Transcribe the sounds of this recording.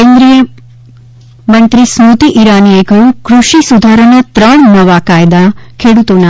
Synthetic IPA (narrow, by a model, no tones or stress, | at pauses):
keːnd̪ɾijɐ | mɐnt̪ɾismut̪iʔiɾaːnijeɡɐɾukɾuʂisud̪ʱaːɾɐɳɐt̪ɾaɳnɐʋaːkaːjd̪akʰeːɽut̪oːna